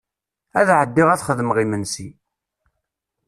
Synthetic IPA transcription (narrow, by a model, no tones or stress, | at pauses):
æðʕəd̪ːiʁæθχəðmʁimənsi